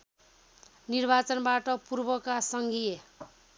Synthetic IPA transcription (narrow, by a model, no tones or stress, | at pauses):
nirbat͡sʌnbaʈʌpurbʌkasʌŋɡije